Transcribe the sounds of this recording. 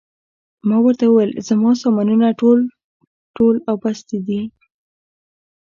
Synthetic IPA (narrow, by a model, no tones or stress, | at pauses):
mɑwəɾt̪awəwejlzamɑsɑmanunaʈol | ʈolawbast̪id̪i